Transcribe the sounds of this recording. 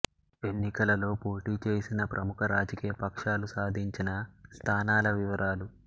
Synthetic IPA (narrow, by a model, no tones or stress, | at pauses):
e̞nːikɐlɐlo̞ːpo̞ːʈiːt͡ʃe̞ːsinɐpɾʔɐmukʰɐɾaːd͡ʒɐkiːjɐpɐkʂaːlusaːd̪ʱiɲt͡ʃinɐst̪ʰaːnaːlɐʋiʋɐɾʔaːlu